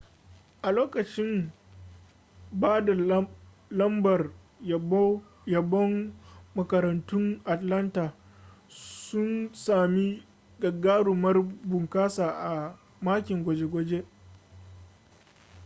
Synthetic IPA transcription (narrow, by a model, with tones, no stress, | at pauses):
ʔa˨loː˦kɐ˨t͡ʃɪ˦m | baː˦da˨ | lɐ˦mbɐ˨r | jɐ˨bɔ˦mːɐ˨kɐ˨ɾɐ˨ntʊ˦ŋʔa˨tlɐ˦ntaː˨ | sʊ˦nsaː˨mi˦ | ɡɐ˨ɡaː˦ɽʊ˨mɐ˦rbʊ˨ŋkaː˦saː˨ʔa˨ | maː˦kʲɪ˨ŋɡʷɐ˨d͡ʒe˦ɡʷɔ˦d͡ʒe˦